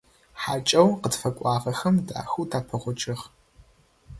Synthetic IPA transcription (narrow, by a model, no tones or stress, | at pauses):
ħaːt͡ʃʼɐwqədfɐkʷʼɑːʁɐxɐmda̰ːxutʰaːpʰɐʁʷʊt͡ʃʼɪʁ